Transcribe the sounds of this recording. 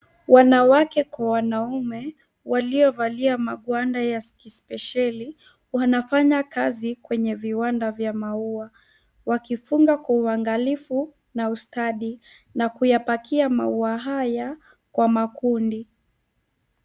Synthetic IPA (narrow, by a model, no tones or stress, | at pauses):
wʔanawakɛkwawanaumɛ | waliɔvaliamaɠwandajaskispɛʃali | wanafaɲakazikwɛɲɛviwandavjamaua | wakifuŋɡakwauaŋɡalifu | naustaɗi | nakujapakiama̰uaɦaja | kwamakundi